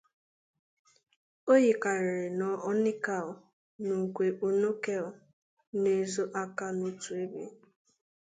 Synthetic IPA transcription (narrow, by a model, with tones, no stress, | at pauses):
o˦ji˨ka˨ɾɪ˨ɾɪ˨nɔ˨ɔ˦nɪ˦ka˨l | nu˨ŋ̩˨kʷe˨ʔo˨no˦ke˦˨ʊ˨ | ne˦˨zo˦ʔa˦ka˦no˦tu˨e˦bḛ˦